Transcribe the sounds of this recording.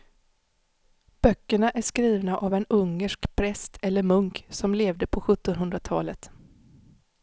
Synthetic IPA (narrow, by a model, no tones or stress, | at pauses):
b̥œkːəɳaʔæʂkɾiːvnaʔavɛnɵŋːəʂkpʰɾɛst̪ʰɛlːəɾmɵŋksɔmleːvd̪əpʰɔɧɵt̪ːɔnɦɵnd̪ɾat̪ʰɑ̰ːlət̪